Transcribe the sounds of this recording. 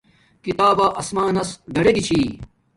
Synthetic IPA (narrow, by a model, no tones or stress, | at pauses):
kit̪aːbaːʔɐsmaːnɐsɡɐɽeɡit͡ɕʰiː